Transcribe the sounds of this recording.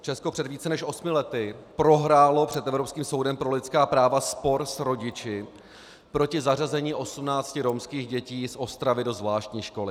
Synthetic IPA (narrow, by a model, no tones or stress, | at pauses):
t͡ʃɛsko̞pr̥ɛdviːt͡sɛnɛʃʔo̞smɪlɛt̪ɪpɾo̞ɦɾaːlo̞pr̝̥ɛt̪ɛvɾo̞pskiːmso̞wdɛmpɾo̞lɪt̪skaːpɾaːvaspo̞ɾsɾo̞ɟɪt͡ʃɪ | pɾo̞cɪzarazɛɲiːʔo̞sumnaːt͡scɪɾo̞mskiːɣɟɛciːsʔo̞st̪ɾavɪdo̞zvlaːʃt̪ɲiːʃko̞lɪ